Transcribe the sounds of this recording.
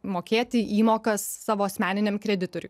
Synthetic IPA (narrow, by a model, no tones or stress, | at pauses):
moːkʲeːt̪ʲɪʔiːmoːkɐsːɑːʋoːɐsʲmʲæːnʲɪnʲɛmkɾʲɛd̪ʲɪt̪oːɾʲʊ̰